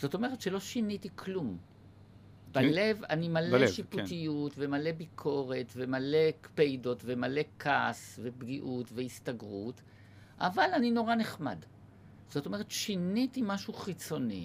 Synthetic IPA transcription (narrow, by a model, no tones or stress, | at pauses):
z̥o̞to̞meʁetʃelo̞ʃinitikʰlum | balle̞vanimaleʃiputijutve̞male̞bikʰo̞ʁe̞tve̞male̞pejdo̞tvemale̞kʰasve̞bɡiʔutveistaɡʁut | ʔavalanino̞ʁane̞χma̰d | z̥o̞to̞me̞ʁetʃinitimaʃuχit͡so̞nḭ